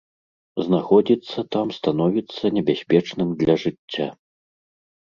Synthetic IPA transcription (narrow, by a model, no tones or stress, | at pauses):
znaxɔd͡zʲit̪sːɐt̪amst̪an̪ɔvʲit̪sːɐnʲɛbʲasʲpʲɛt͡ʂnɨmd̪lʲɐʐɨt͡sʲːa